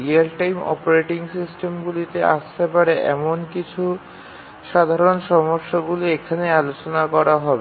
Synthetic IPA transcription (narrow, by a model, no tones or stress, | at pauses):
ɾialʈajmɔ̰poɾeʈiŋsisʈemɡulit̪eʔa̰ʃt̪epaɾeʔɛ̰monkit͡ɕʰu | ʃad̪ʱaɾonʃɔmoɾʃːoɡuloekʰanealot͡ɕonakɔɾaɦɔbe